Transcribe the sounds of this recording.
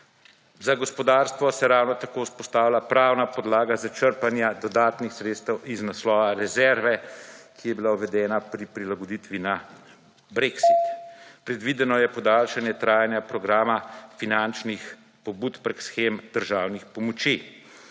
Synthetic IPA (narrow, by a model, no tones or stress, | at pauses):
zaɡɔspɔd̪aːɾst̪ʋɔsɛɾaːwnɔt̪akoːspɔst̪aːwlapɾaːwnapɔd̪laːɡazat͡ʃəɾpanjad̪ɔd̪aːt̪nixsɾeːt̪st̪ɛwiznaslɔːʋaɾɛzɛɾʋɛkʰijɛbilawʋɛd̪ɛːnapɾipɾilaɡɔd̪it̪ʋina | bɾeksit̪pɾɛd̪ʋid̪ɛnɔjɛpɔd̪aːlʃanjɛt̪ɾaːjanjapɾɔɡɾaːmafinant͡ʃnix | pɔbuːt̪pɾɛksxeːmd̪̥əɾʒaːwnixpɔmɔt͡ʃi